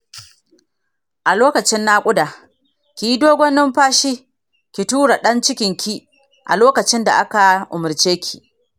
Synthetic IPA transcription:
ʔa˨loː˦kɐ˨t͡ʃɪ˦nːa˦kʷʼʊ˦da˨ | kʲi˨ji˦doː˦ɡʷɔ˦nɪ˦mɸaː˦ʃiː˦ | kʲi˨tuː˦ɽa˨ɗɐ˦nt͡ʃɪ˦kʲɪ˨ŋkʲʰi˦ | ʔa̰˨loː˦kɐ˨t͡ʃɪ˦nda̰˨ʔa˦ka˨ʔʊ˨mʊ˨ɾt͡ʃeː˦kʲʰi̥˨ʔ

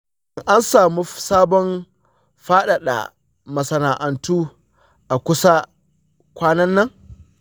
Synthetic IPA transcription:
ŋʔa˦nsaː˨mu˦saː˦bɔ˦n | ɸaː˦ɗa˨ɗa̰˨ | mɐ˨sɐ˨naː˨ʔa˨ntuː˦ | ʔa˨kʷʊ˦sa˦ | kʷaː˦nɐ˦nːɐ˦ŋ

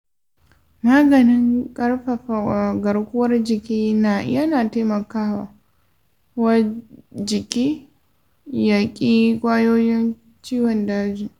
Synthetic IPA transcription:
maː˦ɡɐ˨nɪ˦ŋkʼɐ˦rɸɐ˨ɸa˨a˨ɡɐ˨ɽkʷʊ˦wɐ˦rd͡ʒɪ˨kʲiː˦na˨˦jɐ˦naː˨taː˦mɐ˨kaː˦wa˨ | wɐ˦d͡ʒɪ˨kʲiː˦ | ja˨kʲʼiː˦kʷʼaː˦joː˦jɪ˦n | t͡ʃiː˦wɔ˨ndaː˦d͡ʒiː˨

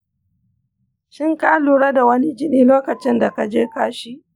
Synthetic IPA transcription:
ʃɪ˦ŋkaː˦luː˨ɽa˦da˨wɐ˦ni˦d͡ʒɪ˦niː˦loː˦kɐ˨t͡ʃɪ˦nda˨ka˨d͡ʒeː˦kaː˦ʃi˦ʔ

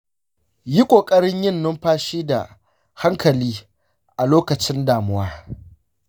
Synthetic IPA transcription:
ji˦kʷʼoː˨kʼɐ˦ɽɪ˦ɲjɪ˦˨nːʊ˦mɸaː˦ʃiː˦da̰˨ | ha˦ŋkʰɐ˨liː˦ | ʔa˨loː˦kɐ˨t͡ʃɪ˦ndaː˨mʊ˦waː˦

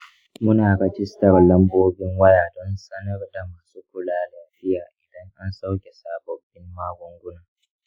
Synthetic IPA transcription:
mʊ˦naː˨kɐ˦t͡ʃɪ˦stɐ˨rlɐ˦mboː˦bɪ˦ŋwɐ˦jaː˨dɔ˦nsɐ˦nɐ˦rda˨maː˨su˦kʷʊ˨laː˦dɐ˨ɸɪ˦jaː˨ʔɪ˨dɐ˦ŋʔa˦nsa˦wkʲe˨saː˦bɔ˨bɪ˦mːaː˦ɡʷʊ˦ŋɡʷʊ˦naː˨

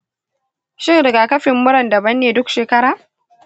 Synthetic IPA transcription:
ʃɪ˦ŋdɐ˨ɡaː˨kɐ˦ɸɪ˨mːʊ˦ɽɐ˨ndɐ˨bɐ˦nːeː˨dʊ˦kʃeː˨kɐ˦ɽaː˨

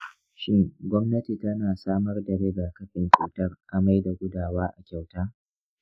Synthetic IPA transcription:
ʃɪ˦ŋɡʷɔ˦mnɐ˦ti˨tɐ˦naː˨saː˦mɐ˦rdɐ˨ɽe˦ɡaː˨kɐ˦ɸʼɪ˨nt͡ʃṵː˦tɐ˦rʔa˦ma˦jda˨ɡʷʊ˦daː˨waː˦ʔa˨kʲa˨wtaː˦

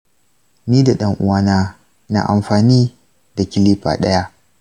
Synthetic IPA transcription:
niː˦da˨ɗɐ˦ŋʔʊ̰˦waː˦naː˦ | na̰˨ʔa̰˨mɸaː˨niː˦ | da˨kʲɪ˦li˦ɸa̰ː˨ɗɐ˦ja˦ʔ

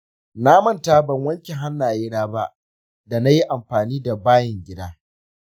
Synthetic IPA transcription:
naː˦mɐ˦nta˦bɐ˨ŋwɐ˦ŋkʲɛ˨ɦa˦nːaː˨ɪː˦ɽaː˦ba˦ʔ | da˨na˦ji˦ʔa˨mɸaː˨niː˦da˨baː˦jɪ˨ŋɡʲɪ˦daː˦

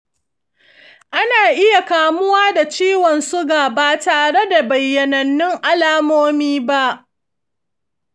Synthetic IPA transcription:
ʔa˦naː˨ʔɪ˦ja˨kaː˨mʊ˦waː˦da˨t͡ʃiː˦wɔ˨nsʊ˦ɡaː˨baː˨taː˨ɽe˦da˨bɐ˨jːɐ˨nɐ˨nːɪ˦ŋʔa˦laː˦moː˦miː˦ba˦ʔ

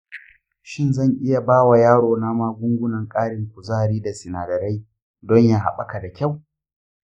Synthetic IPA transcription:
ʃɪ˦nzɐ˦˨ŋʔɪ˦ja˨baː˦wa˨jaː˦ɽoː˨na˦maː˦ɡʷʊ˦ŋɡʷʊ˦nɐ˨ŋkʼaː˦ɽɪ˨ŋkʷʊ˨zaː˦˨ɾiː˦da˨sɪ˨naː˨dɐ˨ɾa˦j | dɔ˦ɲjaː˦ɦa̰˨ɓa˦ka˨da˨kʲa˦˨w

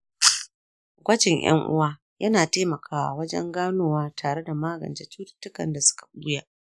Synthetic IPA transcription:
ɡʷɐ˦d͡ʒɪ˨ɲj̰ɐ̰˦ŋʔʊ̰˦waː˦ | jɐ˦naː˨teː˦mɐ˨kʰaː˦˨wa̰˨wɐ˦d͡ʒɛ̰˦ŋɡaː˦noː˦waː˦tʰaː˨ɽe˦da˨maː˦ɡɐ̰˨nd͡ʒe˦t͡ʃuː˦tɪ̥˦tːʊ˦kɐ̰˨nda˨sʊ̥˦kḁ˨ʔu˦jaː˦ʔ

